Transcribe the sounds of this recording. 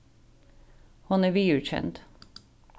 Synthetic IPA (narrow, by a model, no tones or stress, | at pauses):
hɑnæːʋiːʉːçɛ̰nt̪